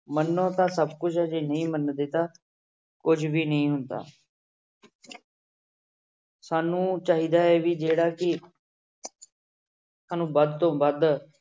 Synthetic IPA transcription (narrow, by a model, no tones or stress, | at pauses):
mənːõːt̪ãːsəbkʊt͡ʃʰəd͡ʒeːnəĩːmənd̪eːt̪aː | kʊd͡ʒʋiːnəĩːɦʊnd̪a̰ː | saːnũːt͡ʃaːɦiːd̪aːɛːʋiːd͡ʒeːɽaːkɪ | saːnũːbəd̪t̪õːbəd̪